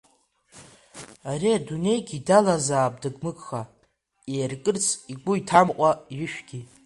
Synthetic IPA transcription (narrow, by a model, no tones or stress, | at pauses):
ariadune̞jɡʲidalazaːpʼdɨɡʼmɨkʼχa | eːrkʼɨrt͡sʰiɡʷʊitʰamqʷʼaɥɪʃᶣɡʲi